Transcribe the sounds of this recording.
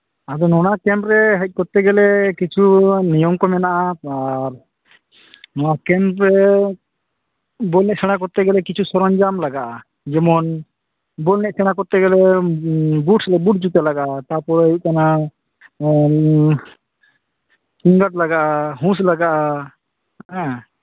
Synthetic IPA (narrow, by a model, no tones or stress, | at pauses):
ad̪ɔnɔɽ̃akɛmɾɛɦɛc̚ˀkɔɾt̪ɛɡɛlɛkit͡ʃʰunijɔmkɔmɛnaʔaaɾ | nɔnakɛmɾɛ | bɔlnɛʔsɛɽ̃akɔɾt̪ɛɡɛlɛkit͡ʃʰusɔɾɔɲd͡ʒamlaɡaʔa | d͡ʒɛmɔn | bɔlnɛʔsɛɽ̃akɔɾt̪ɛɡɛlɛ | buʈslɛbuʈ̚d͡ʒut̪ɛlaɡaʔat̪apɔɾuʔ̚kana | siŋɡaʈ̚laɡaʔaɦũslaɡaʔa